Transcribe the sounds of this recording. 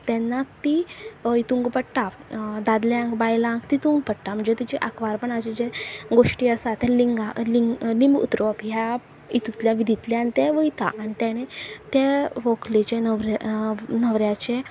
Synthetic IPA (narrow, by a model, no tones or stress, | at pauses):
t̪ɛ̃nːat̪ːiit̪uŋɡpəɽʈad̪ad̪ljãŋkbajlãŋkt̪it̪uŋɡpəɽʈ̪am̤əɳd͡zet̪it͡ɕiʔakʰʋaɾpəɳad͡ʑed͡ʑeɡoʂʈiːəsat̪ɛliŋɡaliŋɡlimbṵt̪ɾopɦja | it̪ut̪ljaʋid̪ʱit̪ljaːnit̪eʋəjt̪a̰ʔːñit̪jaɽ̃et̪eʋoklet͡ɕenəʋɾ | nəʋɾjat͡ɕe